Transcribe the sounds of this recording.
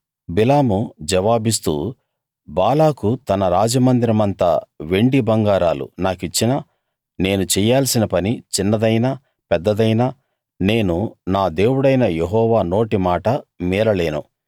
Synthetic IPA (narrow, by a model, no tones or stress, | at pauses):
bilaːmud͡ʒɛʋaːbis̬t̪ṵː | baːlaːkut̪ɐnɐɾaːd͡ʒɐmɐnd̪iɾɐmɐnt̪a̰ʋe̞ɳɖibɐŋɡaːɾaːlṵnaːkit͡ʃːinɐ | ne̞ːnut͡ʃɛjaːlsinɐpɐnit͡ʃinːɐd̪ɐjna | pɛd̪ːɐd̪ɐjna | ne̞ːnunaːd̪e̞ːwuɽɐjnɐjeɦɔːʋaːno̞ːʈimaːʈɐmiːɾɐle̞ːnṵ